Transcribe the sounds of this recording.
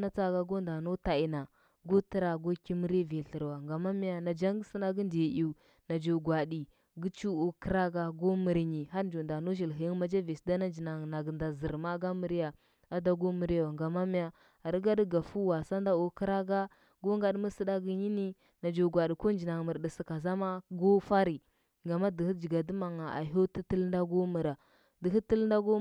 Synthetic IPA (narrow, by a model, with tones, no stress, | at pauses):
na˦t͡sa˦ɡa˦ɡo˦nda˨no˦ta˨i˨na˨ | ɡo˦tə˦ɾa˨ɡo˦ki˦mə˦ɾi˦vi˨ɬə˨ɾwa˨ŋɡa˨ma˦mi˦ja˨na˨d͡ʒa˦ŋɡsə˦na˦ɡə˦nde˨i˨ | na˨d͡ʒo˨ɡwa˨ɗi˨ | ɡi˦t͡ʃu˦o˨kə˦ɾa˦ɡa˦ɡo˦mə˨ɾɲi˨ɦa˦ɾd͡ʒo˨nda˨no˦ʒi˨lɦi˨ji˦ŋ˦ma˦d͡ʒa˦vi˨sda˦na˦nd͡ʒi˨na˨ŋ˨na˨ɡə˨nda˨zə˨ɾma˦ɡa˦mə˨ɾi˦ja˨ | a˦da˦ɡo˦mə˨ɾjo˨ŋɡa˨ma˦mi˦ja˨˦ | a˨ɾə˦ɡa˦də˦ɡa˨fu˦wa˨sa˦nda˦u˨kə˦ɾa˦ɡa˦ | ɡo˦ŋ˦ɡa˦ɗmə˦sə˦da˦ɡi˦ɲi˦ni˦ | na˨d͡ʒu˨ɡʷa˨ɗi˨ko˦n˦d͡ʒi˨na˨ŋ˨mə˨ɾdə˨sə˨ka˨za˦ma˦ɡo˦fa˦ɾi˨ | ŋɡa˨ma˦də˨hi˦d͡ʒi˨ɡa˨də˦ma˨ŋa˨a̰˨ɦo˦tə˦tə˦lnda˦ɡo˦mə˨ɾa˨ | də˨ɦi˦tə˦lnda˦ɡo˦